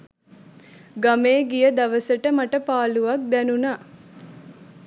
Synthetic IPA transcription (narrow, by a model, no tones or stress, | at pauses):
ɡameːɡijəd̪aʋəsəʈəmaʈəpaːluʋak̚d̪ɛnunaː